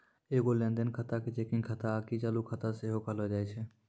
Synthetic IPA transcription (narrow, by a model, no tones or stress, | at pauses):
eːɡoːlẽːnd̪enkʰət̪akit͡ʃeːkɪ̃ŋkʰət̪akit͡ʃaːlukʰət̪aseɦokʰəlod͡ʒaːet͡ʃʰeː